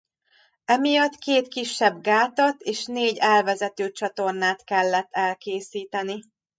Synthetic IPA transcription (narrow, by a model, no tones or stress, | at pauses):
ɛmijɒt̪keːt̪kiʃːɛbɡaːt̪ɒt̪eːʃneːɟɛlvɛzɛt̪øːt͡ʃɒt̪o̞rnaːt̪kɛlːɛt̪ːɛlkeːsiːt̪ɛni